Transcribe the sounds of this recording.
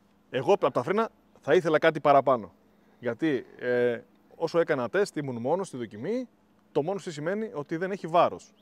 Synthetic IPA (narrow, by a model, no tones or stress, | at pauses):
e̞ɣo̞ɐpot̪ɐfɾinɐ | θɐiθe̞lɐkɐt̪ipɐɾɐpɐno̞ | ʝɐt̪ie | o̞so̞e̞kɐnɐt̪e̞st̪imunmo̞nost̪iðo̞cimi | t̪o̞mo̞nost̪isime̞nio̞t̪iðe̞ne̞çivɐɾo̞s